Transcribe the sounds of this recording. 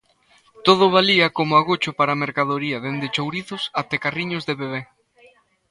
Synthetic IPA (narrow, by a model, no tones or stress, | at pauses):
t̪oð̞ʊβ̞aliɐkomʊaɣot͡ʃʊpaɾameɾkaðoɾiɐðend̪ɪt͡ʃowɾiθʊsat̪ekariɲʊzðeβeβe